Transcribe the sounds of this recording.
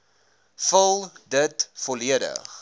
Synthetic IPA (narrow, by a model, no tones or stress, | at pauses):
fəlˠdətfɔliədə̰χ